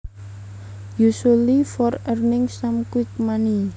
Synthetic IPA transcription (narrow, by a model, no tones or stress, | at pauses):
jusulifɔrərnɪŋsamkwɪt̪̚mani